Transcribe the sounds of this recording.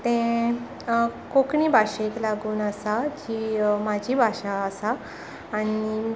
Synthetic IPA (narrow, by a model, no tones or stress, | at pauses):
t̪ẽ | kokɳiːbʱaʂeklaɡuːnəsad͡ʑimad͡ʑʱiːbʱaʂaəsaː | ñi